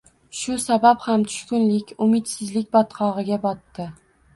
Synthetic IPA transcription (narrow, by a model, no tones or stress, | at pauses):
ʃʊsabaphamt̪ʰʊ̥ʃkʲʊnlɪkʲʊmɪt̪sɪzlɪk̚ʲbɒt̪qʰɒʁɨɡʲabɒt̪ːɪ